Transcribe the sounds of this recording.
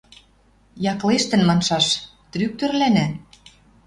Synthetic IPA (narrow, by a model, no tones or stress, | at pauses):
jɑkleʃt̪ɘ̆nmɑnʃɑʃt̪ɾyk̚t̪ø̆rlænæ